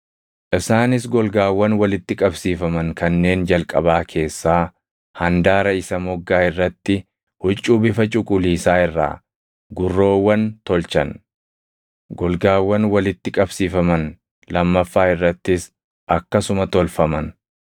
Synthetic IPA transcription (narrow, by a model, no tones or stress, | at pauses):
ʔɪsaːnɪs̬ɡɔlɡaːwːɐnwɐlɪt̪ːɪkʼɐbsiːfɐmɐŋkɐnːe̞ːnd͡ʒɐlkʼɐ̰baːkʰe̞ːsːaː | hɐnd̪aːɾɐɪsɐmɔɡːaːɪrːɐt̪ːɪ | hʊt͡ʃʼːuːbɪfɐt͡ʃʼʊkʼʊliːsaːɪrːa̰ː | ɡʊrːo̞ːwːɐnt̪ɔlt͡ʃɐn | ɡɔlɡaːwːɐnwɐlɪt̪ːɪkʼɐbsiːfɐmɐn | lɐmːɐfːaːɪrːɐt̪ːɪs | ʔɐkːɐsʊmɐt̪ɔlfɐmɐn